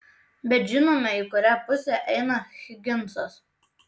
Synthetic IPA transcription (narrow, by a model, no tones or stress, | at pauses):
bʲɛt̪ʒʲɪnoːmʲɛɪkʊɾʲæːˑpʊsʲɛˑʔɛɪnɐxʲɪɡʲɪnˑsos